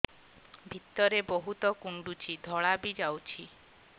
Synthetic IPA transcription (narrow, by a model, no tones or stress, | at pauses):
bʱit̪ːɔɾeboɦut̪ɔkuɳɖut͡ʃʰid̪ʱɔɭabid͡ʒawt͡ʃʰi